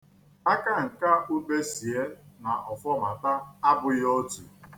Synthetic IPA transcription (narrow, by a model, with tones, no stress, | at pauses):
a˦ka˦ŋ̩˨ka˦ʔu˦k͡pe˦si˨e˦na˨ʔɔ˨fɔ˦ma˨ta˦a˦bʊ˨jɔ˦tṵ˨